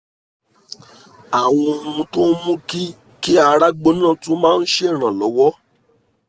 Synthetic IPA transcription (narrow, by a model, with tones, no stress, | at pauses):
a˨w̃ɔ̃˧o˧ũ˧to˦mũ˦ki˦ | ki˦a˧ɾa˦ɡ͡bo˦nãː˦˨to˦mãː˦˧n̩˦ʃe˦˨ɾ̃ã˨lɔ˨˦wɔ˦